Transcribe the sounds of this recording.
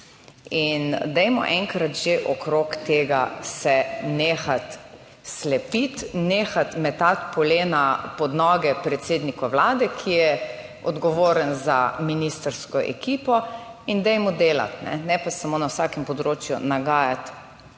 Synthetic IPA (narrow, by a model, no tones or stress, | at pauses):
ind̪ɛjmɔ̰ʔɛŋkɾat̪ʒeʔɔkɾokt̪eːɡasɛneːxat̪ | slɛpit̪neːxat̪mɛt̪at̪pɔleːnapɔd̪nɔːɡɛpɾɛt̪seːd̪nikɔwlaːd̪ɛkʰijɛ | ɔd̪ɡɔʋoːɾənzaminist̪əɾskɔʔɛ̰kiːpɔ | ind̪ɛjmɔd̪eːla̰t̪nɛ̰nɛpasamoːnawsaːkɛmpɔd̪ɾoːt͡ʃjṵnaɡaːjat̪